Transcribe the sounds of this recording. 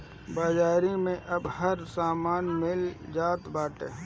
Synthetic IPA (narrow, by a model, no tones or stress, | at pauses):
baːd͡ʒaːɾimẽʔɐbhɐɾsaːmaːnmɪld͡ʒaːt̪baːʈḛ̃ː